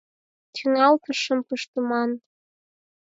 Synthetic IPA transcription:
t̪ʰynɑltʰɨʂɨmpʰɨʂt̪ʼumɑn

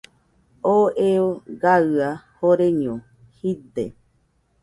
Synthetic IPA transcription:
oeoɡaahoɾeɲõ | hid̪e

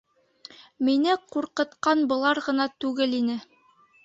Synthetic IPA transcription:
minɘquɾqɤ̆t̪qɑnbɤ̆lˠɑɾʁɤ̆nɑt̪ʉɡɘlinɘ

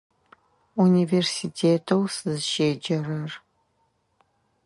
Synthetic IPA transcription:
universitʰeːtʰowsɨzʃeːd͡ʒɐɾɐr

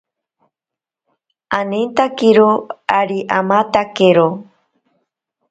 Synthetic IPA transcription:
anent̪akiɾoaɾiʔamat̪akeɾo

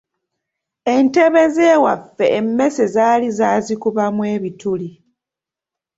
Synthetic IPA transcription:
e̞nte̞βe̞ze̞ːwafːe̞ʔːmːe̞se̞zaːlizaːzikuβamweːβituli

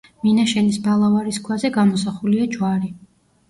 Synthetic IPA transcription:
minaʃɛnisbalˠavaɾiskʰwazɛɡamɔsaχuliad͡ʒwaɾi

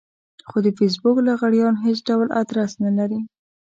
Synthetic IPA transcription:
xod̪əfɪs̬bʊklaɣaɽjɑnɦet͡sɖawla̰d̪ɾasnalaɾi

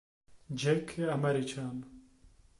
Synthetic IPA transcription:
d͡ʑekʰːeɐmɐɾit͡ɕʰaːn

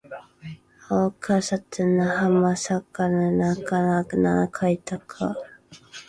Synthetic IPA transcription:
okʰasat̪ɨnahamasakananakanana̰kʰait̪akʰa

